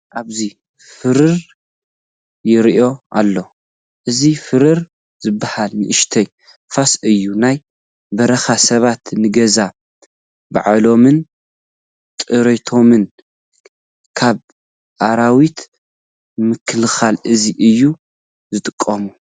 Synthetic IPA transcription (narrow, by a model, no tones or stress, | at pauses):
ʔaβzi | fɨɾɨɾ | jɪɾiʔo̞ʔa̰lːo̞ | ʔɨzifɨɾɨɾ | zɨbːahalnɨʔɨʃt̪ʰɐj | fasɨjːunaj | bɐɾɐxasɐβat̪nɨɡɐza | ba̰ʕalo̞mɨn | t̪ʼɨɾet̪ʰo̞mɨn | kʰaβ | ʔaɾawit̪ | mɨkʰɨlxalʔɨziʔɨjːu | zɨt̪ʼɨkʼːɐmu